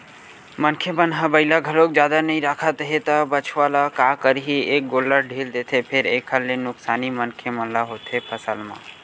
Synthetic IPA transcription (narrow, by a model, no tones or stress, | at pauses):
mənkʰemənɦə̃bəɪlaɡʱəlok̚d͡ʒjaːd̪anəĩɾaːkʰət̪ɦet̪əbət͡ʃʰʋalakakəɾɦieːk̚ɡoːlːəɾɖʱiːld̪eːt̪ʰepʰeɾeːkʰəllenʊksaːnimənkʰemənlaɦot̪ʰɦepʰəsəlmã̰ː